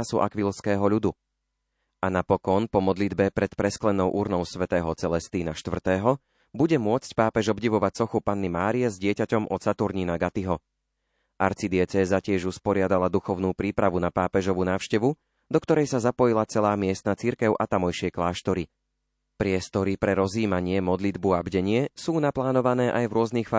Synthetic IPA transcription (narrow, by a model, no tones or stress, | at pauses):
suʔa̰kʋilskɛːɦɔʎud̪u | anapɔkɔnpɔmɔd̪lid̪bɛpɾɛt̪pɾɛsklɛnɔʊʔuɾnɔʊsʋɛt̪ɛːɦɔt͡sɛlɛst̪iːnaʃt̪ʋr̩t̪ɛːɦɔ | buɟɛmʊɔt͡sc̚paːpɛʒɔbɟiʋɔʋacsɔxupanːimaːɾijɛzɟɪɛcacɔmʔɔt̪sat̪uɾɲinaɡat̪iɦɔ | ʔaɾt͡sid̪ɪɛt͡sɛːzacɪɛʒuspɔɾɪad̪alad̪uxɔʊnuːpɾiːpɾaʋunapaːpɛʒɔʋuːnaːʊʃcɛʋu | d̪ɔkt̪ɔɾɛjsazapɔjilat͡sɛlaːmɪɛst̪nat͡siɾkɛʊʔat̪amɔjʃɪɛklaːʃt̪ɔɾi | pɾɪɛst̪ɔɾipɾɛɾɔziːmaɲɪɛmɔd̪lid̪buabɟɛɲɪɛsuːnaplaːnɔʋanɛːʔajvɾʊɔznixfa